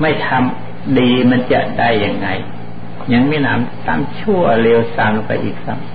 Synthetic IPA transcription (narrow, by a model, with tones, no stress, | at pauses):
ma˥˩jt̪ʰa˧m | diː˧ma˧˥nt͡ɕa˧˩da˥˩jːa˧ŋːa˧j | ɲa˧˥ŋmiː˧˥˨na̰ː˦˥mt̪aː˧˥mt͡ɕʰu˥˩ɐleː˧wsa˧mla˧˩ka̰˧˩ʔiː˨˩k̚sa˧˩m